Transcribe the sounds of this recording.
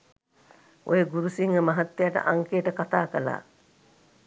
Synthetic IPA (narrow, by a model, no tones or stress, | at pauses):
o̰jeɡuɾusiŋɡɐmɐɦɐt̪ːejaʈə̰ʔaŋkeːʈəkat̪aːkɐla̰ː